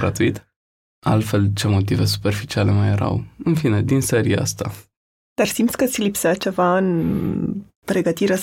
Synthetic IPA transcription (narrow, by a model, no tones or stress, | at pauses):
ɾa̰t̪uit̪ | alt̪fe̞lt͡ʃe̞mo̞t̪ive̞su̥pe̞rfit͡ʃiale̞majeɾa̰wɨnfine̞d̪inseɾia̰a̰st̪a̰ | d̪arsimt̪sʲkət̪sʲilipsat͡ʃe̞vaɨn | pɾe̞ɡət̪iɾe